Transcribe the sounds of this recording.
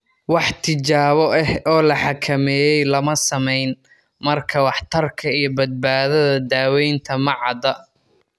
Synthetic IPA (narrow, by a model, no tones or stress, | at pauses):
wɑħt̪ʰɪt͡ʃaːβɔʔɛhɔːlɐħɑkʰɐmɛːjɛjlɐmɐsɐmɛjn | mɐrkʰɐwɑħt̪ʰɐrkʰɐijɞbɐd̪̚baːðɐðɐd̪aːwɛjnt̪ʰɐmɐʕɑd̪ɐ